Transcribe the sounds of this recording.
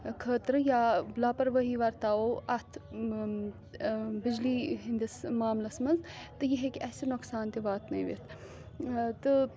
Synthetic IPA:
kʰəːt̪ɾɨjalaːpɐɾʋəɦiʋɐɾt̪aːoːʔɐt̪ʰ | bɪd͡ʒliːɦind̪ismaːmlɐsmɐnzt̪ɨjɐɦekɐːsinoksaːnt̪ibaːt̪nɐĩʋḭt̪ʰ | t̪ɨ

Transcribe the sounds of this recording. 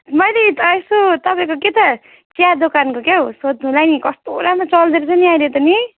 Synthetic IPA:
mʌjlet̪ʌesot̪ʌpaĩkoket̪ʌ | t͡sjad̪okankokeosod̪̚ũlajnikʌst̪oɾamat͡sʌld̪eɾet͡sʌniajɾet̪ʌni

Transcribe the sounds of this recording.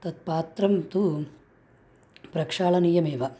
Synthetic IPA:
t̪ɐt̪̚paːt̪ɾɐmt̪u | pɾɐkʂaːɭɐnijɐmeːʋɐ

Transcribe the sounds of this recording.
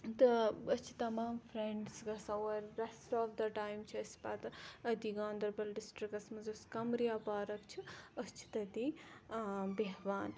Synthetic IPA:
t̪ɨɐst͡ʃʰi̥t̪ɐmaːmfɾeɳɖsɡɐsɐwɐɾɾesʈɔːfd̪ɐʈaːjmt͡ʃʰiɐspɐt̪ɐd̪iɡaːnd̪ɐɾbɐlɖisʈɾikɐsmɐzoskɐmɾijaːpaːɾɐkt͡ʃʰiɐst͡ʃʰi̥t̪ɐd̪i | beɦʋaːn

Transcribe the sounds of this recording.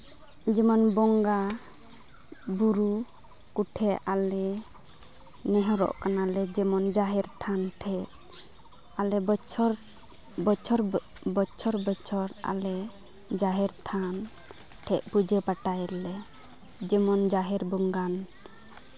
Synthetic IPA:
d͡ʒɛmɔnbɔŋɡa | buɾu | kuʈʰɛalɛ | nɛɦɔɾɔ̰ʔkanalɛd͡ʒɛmɔnd͡ʒaɦɛɾt̪ʰanʈʰɛt̪̚ | alɛt͡ʃʰɾ | bɔt͡ʃʰɔɾ | bɔt͡ʃʰɔɾbɔt͡ʃʰɔɾa̰lɛ | d͡ʒaɦɛɾt̪ʰan | ʈʰɛʔ̚ˀpud͡ʒɛpaʈajlɛ | d͡ʒɛmɔnd͡ʒaɦɛɾbɔŋɡan

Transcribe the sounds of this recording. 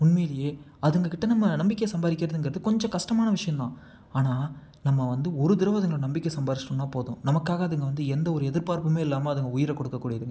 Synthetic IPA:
mʊɳmeːlɪjeː | ɐðɯŋɡɐkɪʈːɐnɐmːɐnɐmbɪkːejɐsɐmbaːðɪkːɪɾɐðɯnŋɡɪɾɐðɯkɔɲd͡ʒɔ̃kɐʂʈɐmaːnɐʋɪʂɐjɐ̃nt̪ã̰ː | aːnaː | nɐmːɐʋɐnd̪ɯɔɾɯd̪ɪɾɐʋɐðɐŋɡɐɭʊ̃nɐmbɪkːesɐmbaːðɪsʈːɐnːaːpoːðʊ̃nɐmɐkːaːɣɐɐðɯŋɡɐʋɐnd̪ɯɛnd̪ɐɔɾɯɛðɪɾpaːɾpɯmeːɪlːaːmɐɐðɐŋɡɐʊjɪɾɐkɔɽɯkːɐkːuːɽɪjɐðɯŋɡɐ

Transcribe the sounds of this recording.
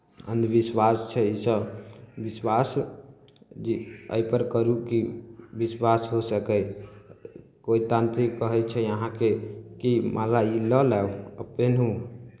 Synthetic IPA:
ə̰nd̪biswast͡ʃʰɛisəbiswas | d͡ʒiə̰jpəɾkəɾukibiswasɦosəkɛ | koit̪ãnt̪ɾikːəɦɛt͡ʃʰɛəɦãkekimʔalailəlɛwəpenɦũ

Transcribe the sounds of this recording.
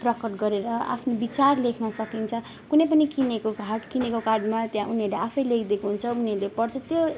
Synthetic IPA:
prʌkʌʈ̚ɡʌɾeɾʌa̰pʰnobit͡sarlekʰnʌsʌkint͡sʰʌ | kunʌjp̬ʌnikinekoɡʱaʈkinekokarɖmat̪jãʔuniɦʌɾleapʰʌjlekʰd̪ekuɦunt͡sʰʌuniɦʌɾlepʌrt͡sʰʌt̪jo

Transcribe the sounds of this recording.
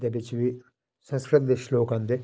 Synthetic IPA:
d̪ebɪt͡ʃʋi | sə̃nskɾət̪̚d̪ɪʃloːkãːnd̪eː

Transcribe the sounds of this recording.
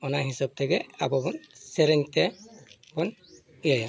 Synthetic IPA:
ɔnaɦisɔb̚t̪ʰɛɡɛabɔbɔnsɛɾɛɲt̪ɛ | bɔn | ijaja

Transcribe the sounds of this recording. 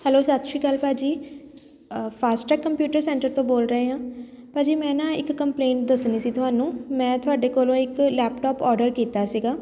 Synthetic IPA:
hɛloːsət̪ʃiːkəlpaːd͡ʒiː | pʰaːsʈəkːəmpjuːʈəɾsɛ̃ːɳʈəɾt̪õːboːlɾəeːɦãː | paːd͡ʒiːmɛ̃ːnãːɪkːəmpleːɳʈ̚d̪əsniːsiːt̪ʊɦaːnũːmɛ̃ːt̪ʊɦaːɖeːkoːlõːɪklɛːpʈɔːpɔːɾɖəɾkiːt̪aːsiːɡaː

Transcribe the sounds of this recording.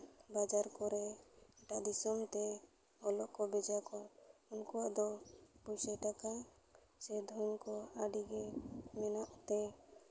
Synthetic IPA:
bad͡ʒaɾkɔɾɛɛʈad̪isɔmt̪ɛ | ɔlɔʔkɔbɛd͡ʒakɔunkɔaʔd̪ɔpusɛt̪aka | sɛd̪ʱɔŋkɔaɖiɡɛmɛnɔʔt̪ɛ

